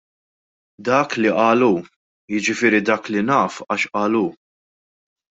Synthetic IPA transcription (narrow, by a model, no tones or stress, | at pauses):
d̪ɐːkliʔɐːlu | jɪd͡ʒɪfɪːɾid̪ɐːklinɐːfɐʃʔɐːluː